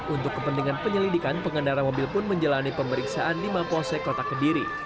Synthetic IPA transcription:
unt̪ʊkːəpənt̪iŋanpəɲəlidikanpəŋənaɾamobɪlpʊnməɲd͡ʒəlanipəməɾiksaʔandimaposɛkot̪akədiɾi

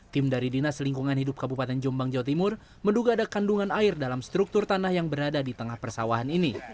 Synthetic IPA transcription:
t̪ɪmdaɾidinasliŋkuŋanhidʊp̚kabupat̪ɛnd͡ʒɔmbaŋd͡ʒawat̪̬imʊr | mənduɡaːdakanduŋanaɪrdalamst̪ɾuk̚t̪ʊrt̪anahjaŋbəɾadadit̪əŋahpərsawaɦanini

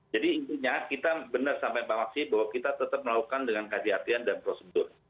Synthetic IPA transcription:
d͡ʒadiːnt̪iɲakit̪abənərsampajmpamaksɪbahwakit̪at̪ət̪əp̚məlakukandəŋankɦad͡ʒiɦat̪iandanpɾosədʊr

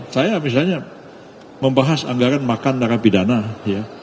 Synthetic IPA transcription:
sajamis̬alɲa | məmbaɦasa̰ŋɡaɾanmakandaɾapidanaja

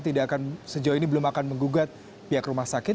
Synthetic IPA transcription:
t̪idaʔːkansəd͡ʒawainibəlʊmakanməŋɡuɡat̪̚ | piɦakrumahsakɪt̪

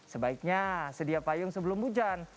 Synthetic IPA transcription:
səbaɪk̚ɲasədiapajʊŋsəbəlʊmbud͡ʒan

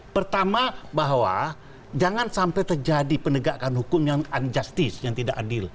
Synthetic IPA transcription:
pərt̪amabaɦwa̰ | d͡ʒaŋansampɛjt̪ərd͡ʒadipənəɡakanhukʊmjaŋand͡ʒast̪ɪsjaŋt̪idaʔadɪl

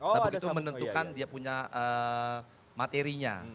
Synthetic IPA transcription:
akit̪umənənt̪ukandiapuɲaʔə | mat̪eɾiɲa̰

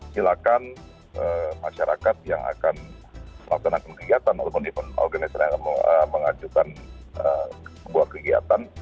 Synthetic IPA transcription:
silakan | ʔəmaʃaɾakat̪̚jaŋa̰kanməlaksanakankəɡiat̪anwat̪apʊnipʊnɔ̰rɡanisanakanəməŋad͡ʒukan | əsəbuakəɡia̰t̪an

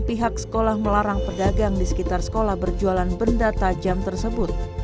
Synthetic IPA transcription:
piɦaksə̥kolahməlaɾaŋpərdaɡaŋdisə̥kit̪arsə̥kolahbərd͡ʒualanbəndat̪ad͡ʒamt̪ərsəbʊt̪̚

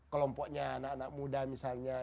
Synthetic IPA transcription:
kəlɔmpɔʔɲaːnaʔanak̚mudamisalɲa

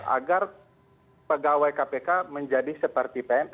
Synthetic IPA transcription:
a̰ɡar | pəɡawajkapekaməɲd͡ʒadisəpərt̪ipɛn

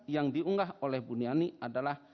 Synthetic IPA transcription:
jaŋdiuŋɡaɦolɛhbunianiʔadalah

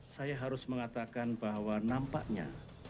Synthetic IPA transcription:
sajaɦaɾʊsməŋat̪akanbahwanampaʔɲa̰

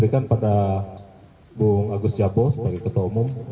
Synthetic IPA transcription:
ɾikanpada | buŋaɡust̪d͡ʒabɔsəbaɡakət̪aumʊm

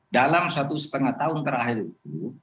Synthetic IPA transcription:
dalamsat̪usə̥t̪əŋaht̪aʊnt̪əɾaɦiɾit̪̚u

